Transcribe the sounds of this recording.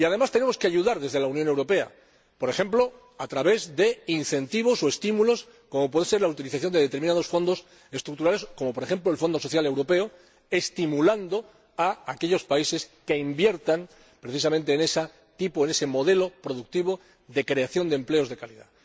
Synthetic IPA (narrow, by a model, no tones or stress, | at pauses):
iað̞e̞mast̪e̞ne̞mo̞skeaʝuðaɾðe̞zðe̞launjonewɾope̞a̰ | po̞ɾe̞xẽ̞mplo̞ | at̪ɾaβe̞zðe̞inθe̞nt̪iβo̞so̞e̞st̪imulo̞s | ko̞mop̬wense̞ɾlaut̪iliθaθjo̞nd̪eet̪eɾminað̞o̞sfo̞nd̪o̞s | e̞st̪ɾuk̚t̪uɾalesko̞mopo̞ɾe̞xe̞mplo̞elfo̞nd̪o̞so̞θjalewɾo̞pe̞o | e̞st̪imuland̪o̞ | aake̞ʎo̞spaise̞ske̞imbje̞ɾt̪aŋ | pɾeθis̬amẽnt̪e̞ːne̞sa | t̪ipoene̞se̞mo̞ðe̞lo̞pɾo̞ðuk̚t̪iβ̞o̞ | ðe̞kɾe̞aθjo̞nd̪emple̞o̞zðe̞kaliða̰